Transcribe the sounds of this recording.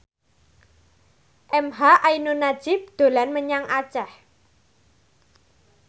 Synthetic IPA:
ʔɛmɦaʔainunḁʒ̥ɪp̚d̪̥o̤lanməɲaŋat͡ʃɛh

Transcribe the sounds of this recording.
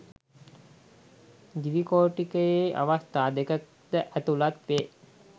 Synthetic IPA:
d̪iʋikoːʈikəjeʔa̰ʋast̪aːd̪ekət | d̪əʔæt̪ulat̪ʋeː

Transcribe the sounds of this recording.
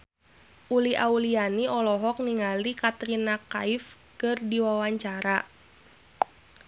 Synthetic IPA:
ʔuliʔaulianiɔlɔɦɔk̚niŋalikat̪ɾinaka̰if | kɨrdiwawaɲt͡ʃaɾa

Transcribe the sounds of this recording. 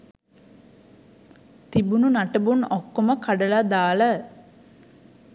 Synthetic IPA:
t̪ibununaʈəbunokːoməkaɖəlad̪aːlə

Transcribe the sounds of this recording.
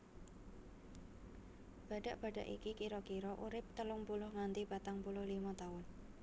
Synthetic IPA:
b̥a̤ɖ̥aʔb̥a̤ɖaʔḭkikiɾɔkiɾɔʔuɾɪp̚t̪əlʊŋpulʊhŋant̪ib̥at̪aŋpulʊhlimat̪aʊn

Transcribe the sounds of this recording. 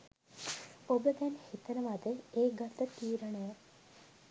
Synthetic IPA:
obət̪ɛnhit̪ənəmat̪əeːɡɐt̪ːət̪iːɾəɳəjə

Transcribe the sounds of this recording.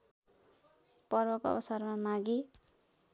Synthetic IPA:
pʌrbʌkʌ̰bʌsarmamaɡi

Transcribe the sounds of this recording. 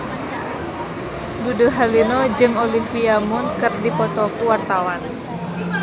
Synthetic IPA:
buduɦalinɔd͡ʒɨŋɔlifiamunkɨrdipɔt̪ɔkuwart̪awan

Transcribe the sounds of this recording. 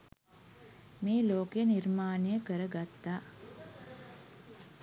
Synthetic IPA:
meːloːkeniɾmaːnijəkəɾəɡat̪ːaː

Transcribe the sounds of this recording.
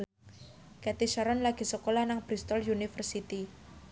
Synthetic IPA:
kɛt̪iʃaɾɔnlaɡ̥i̤səkolahnaŋb̥ɾist̪ɔljunifərsit̪i

